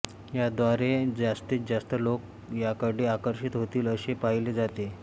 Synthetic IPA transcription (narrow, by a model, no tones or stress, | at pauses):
jad̪ʋaɾed͡zast̪iːt͡sd͡zast̪əlok | jakəɽiakəɾɕit̪ɦot̪iːləɕepaɦiled͡zat̪e